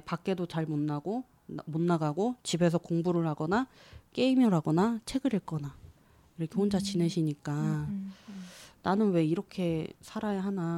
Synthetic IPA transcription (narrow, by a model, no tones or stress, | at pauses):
pak͈e̞dot͡ɕaɭmonːaɡo | monːaɡaɡot͡ɕibe̞s̬ʰʌkoŋbuɾɯɭɦaɡʌnak͈e̞imʌɾɦaɡʌnat͡ɕʰe̞ɡɯɾɦeɭk͈ʌna | iɾʌkʰehond͡ʑat͡ɕine̞ɕʰiɲik͈a | nanɯnwe̞iɾʌkʰe̞sʰaɾajaɦana